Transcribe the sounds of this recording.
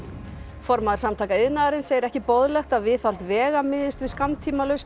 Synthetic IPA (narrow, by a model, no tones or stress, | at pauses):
fɔɾmaðaɾsamt̪ʰaːkaɪðnaðaɾɪnseːjɪɾɛhcɪpowðlɛxt̪aðvɪθalt̪vɛːɣamɪðɪst̪vɪðskamt̪ʰiːmalœɥst̪